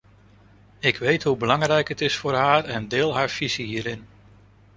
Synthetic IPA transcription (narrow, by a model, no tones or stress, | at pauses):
ɪkʋejtɦubəlɑŋrɛjkɦətɪsfʊːɹɦaːrɛndɪːlˠɦaːɹv̥iziɦiːɾɪn